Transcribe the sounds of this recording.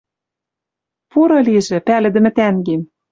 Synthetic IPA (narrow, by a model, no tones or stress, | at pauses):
puɾɤ̆liʒɘ̆pælɘ̆d̪ɘ̆mɘ̆t̪æŋɡem